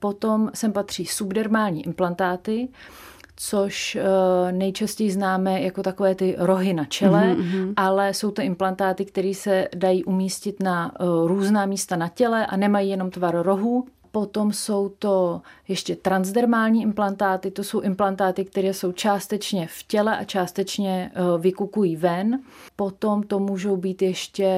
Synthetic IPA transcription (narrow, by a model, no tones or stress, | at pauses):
po̞t̪o̞msɛmpat̪r̝̥iːsubdɛɾmaːlɲiːʔɪmplant̪aːt̪ɪ | t͡so̞ʃ | nɛjt͡ʃascɛjɪznaːmɛːjako̞t̪ako̞vɛːt̪ɪɾo̞ɦɪnat͡ʃɛlɛʔalɛso̞wt̪oʔɪmplant̪aːt̪ɪkt̪ɛɾiːsɛdajiːʔumiːscɪt̪naɾuːznaːmiːst̪anacɛlɛʔa̰nɛmajiːjɛno̞mt̪vaɾɾo̞ɦuː | po̞t̪o̞mso̞wt̪o̞jɛʃcɛt̪ɾanzdɛɾmaːlɲiːʔɪmplant̪aːt̪ɪt̪oso̞wʔɪmplant̪aːt̪ɪk̚t̪ɛɾɛːso̞wt͡ʃaːst̪ɛt͡ʃɲɛfcɛlɛʔat͡ʃaːst̪ɛt͡ʃɲɛvɪkukujiːvɛnpo̞t̪o̞mt̪o̞muːʒo̞wbiːt̪jɛʃcɛ